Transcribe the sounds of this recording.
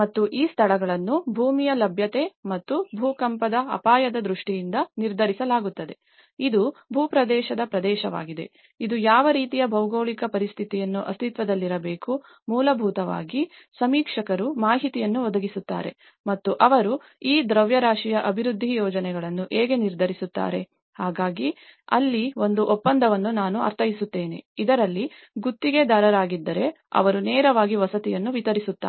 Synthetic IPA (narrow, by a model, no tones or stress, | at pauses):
mɐt̪ːuʔiːst̪ʰɐɭɐɡɐɭɐnːubʱuːmijɐlɐbʱjɐt̪e̞mɐt̪ːubʱuːkɐmpɐd̪ɐɐ̰paːjɐd̪ɐd̪ɾuʂʈijind̪ɐniɾd̪ʱɐɾisɐlaːɡut̪ːɐd̪e̞ | id̪ubʱuːpɾɐd̪ɛːʃɐd̪ɐpɾɐd̪ɛːʃɐʋa̰ːɡid̪e̞̰ | id̪ujaːʋɐɾiːt̪ijɐbʱɐwɡoːɭikɐpɐɾist̪ʰit̪ijɐnːuʔɐst̪ʰit̪ʋɐd̪ɐlːiɾɐbeːku | muːlɐbʱuːt̪ɐʋa̰ːɡi | sɐmiːkʂɐkɐɾumaːɦit̪ijɐnːuʋɔd̪ɐɡisut̪ːa̰ːɾe̞̰ | mɐt̪ːuʔɐʋɐɾu | iːd̪ɾɐʋjɐɾaːʂijɐʔɐbʱiɾud̪ʱːijɔːd͡ʒɐnɛɡɐɭɐnːuʔeːɡe̞niɾd̪ʱɐɾisut̪ːa̰ːɾe̞ | haːɡaːɡiɐ̰lːio̞nd̪uʔɔpːɐnd̪ʱɐʋɐnːunaːnuɐ̰ɾt̪ʰɐjisut̪ːe̞ːnḛid̪ɐɾɐlːi | ɡut̪ːiɡe̞d̪ɐɾɐɾaːɡid̪ːɐɾe̞ | ɐ̰ʋɐɾunɛːɾɐʋaːɡiʋɐsɐt̪ijɐnːuʋit̪ɐɾisut̪ːa̰ː